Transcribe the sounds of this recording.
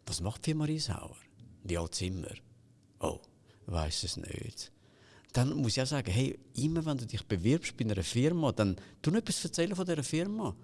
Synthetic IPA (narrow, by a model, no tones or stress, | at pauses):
vɑsmɑχtpfimɑɾiːsha̰ʊəɾviɑlt͡sɪmːə̰ɾ | ʔo̰ʊ | va̰ɪsəsnø̰ːt | d̥anmusiasaːɡəɦeɪɪmːəvɛnduːdɪχb̥evɪɾpʃb̥inɛɾəfɪɾmɑd̥ɛnd̥unɛpisfət͡sɛləfɔdɛɾəfɪɾmɑ